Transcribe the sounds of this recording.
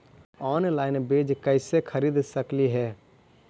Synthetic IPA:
ɔːnlaːɪnbeːd͡ʒkəɪsekʰəɾiːd̪səkliɦɛː

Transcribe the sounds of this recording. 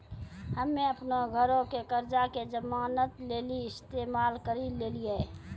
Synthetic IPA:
həmːeəpnoɡʱəɾõkekəɾd͡ʒaked͡ʒəmaːnət̪leːliɪst̪eːmaːlkəɾileːlie

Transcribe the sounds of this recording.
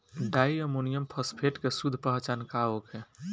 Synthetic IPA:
ɖajəmonijəmpʰəspʰeʈkesud̪ʱpəɦt͡ʃankaoke

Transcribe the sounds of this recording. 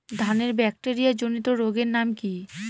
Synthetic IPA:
d̪ʱaneɾbɛk̚ʈeɾijad͡ʑonit̪oɾoɡeɾnamki

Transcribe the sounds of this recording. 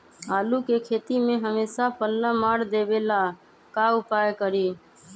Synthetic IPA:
aːlukekʰeːt̪imẽɦəmeːsapʰəlːamaːɽd̪eːbeːla | kaʊpaːjkəɾiː

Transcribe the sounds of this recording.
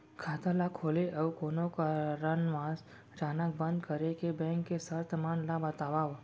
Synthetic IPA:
kʰaːt̪alakʰoːleʔəwkoːnõkaɾənʋãs | d͡ʒaːnəkbə̃nd̪kəɾekebɛ̃ːŋkːesəɾt̪əmaːnlabət̪aːʋaːʋ

